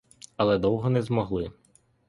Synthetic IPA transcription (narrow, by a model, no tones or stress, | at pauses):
ɐlˠɛd̪ɔwɦɔnɛzmɔɦlˠɪ